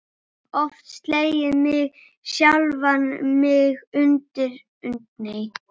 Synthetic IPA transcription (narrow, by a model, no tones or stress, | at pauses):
ɔft̪st̪leːjɪmɪɣ | sjalvanmɪɣʏnt̪ɪɾ | ʏnt̪nej